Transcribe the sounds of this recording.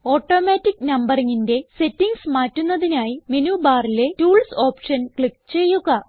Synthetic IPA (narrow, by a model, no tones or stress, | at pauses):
o̞ːʈːo̞ːmaːtːikːnɐmbɐriŋːinde̞se̞tːiŋɡsmaːtːunːɐðinaːjimenuːbaːrile̞tuːlso̞ːpʂɐnkɭikːt͡ɕe̞jːuɣɐ